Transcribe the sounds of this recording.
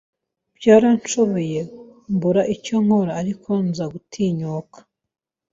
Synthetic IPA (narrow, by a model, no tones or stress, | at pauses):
bjaːɾant͡ʃoβoje̞mbuɾaʔicoŋ̥ho̞ɾaːɾikʰonzaɡutʰiɲoːkḁ